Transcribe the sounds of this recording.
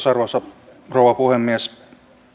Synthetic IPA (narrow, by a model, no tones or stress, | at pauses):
sɑrʋosɑ | rowʋɑpuhemːies